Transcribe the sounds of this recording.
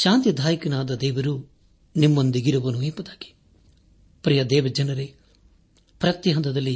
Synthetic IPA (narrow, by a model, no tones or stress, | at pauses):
ʃaːnt̪jɐd̪ʱaːjɐkɐnaːd̪ɐd̪ɛːʋɐɾu | nimːond̪iɡiɾɐʋɐnuempɐd̪aːɡi̥ | pɾijɐd̪ɛːʋɐd͡ʒɐnɐɾe | pɾɐt̪jɐɦɐnt̪ɐd̪ɐlːi